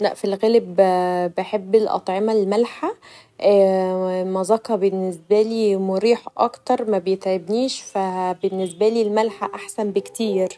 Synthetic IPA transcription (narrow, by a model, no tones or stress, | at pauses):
læ̰ʔfilɣælebbeħebːelʔɑ̰t̪ˤʕemælmælħa | ʔːmɑzˤɑqɑbenːesbæliːmoɾiːħʔɑ̰kt̪ɑɾˤmæbejet̪ʕebniːʃfæbenːes̬bæliːlmælħaʔaħsænbekt̪iːɾ